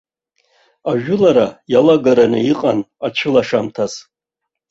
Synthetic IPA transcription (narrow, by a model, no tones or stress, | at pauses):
aʒᶣʊlaɾajalaɡaɾanɨiqʼanat͡ʃʷʰɨlaʂamtʰaz